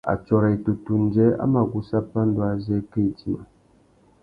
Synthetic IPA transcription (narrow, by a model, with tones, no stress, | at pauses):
a̰˨t͡ʃɔ˨ɾɛ˨tu˨tu˨n̩˨˦d͡ʒɛ˦a̰˦ma˨ɡu˨sa˦pːa˦n̩˦dwa˦zɛ˦ke˦˨ti˦ma˨